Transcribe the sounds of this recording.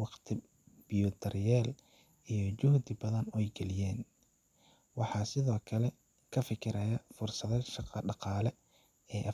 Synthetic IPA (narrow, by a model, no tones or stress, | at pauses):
wɑqt̪ʰɪ | b̥ɪjɔd̪ɐrjɛːl | ijɞt͡ʃʊhd̪ɪbɐðɐnɛjɡɛlɪjɛːn | wɑħɑːsɪðɔːkʰɐlɛ | kʰɐfɪkʰɪɾɐjɐfʊrsɐðɛʃɑqɑɖɑqɑːlɛ | ɛːʔ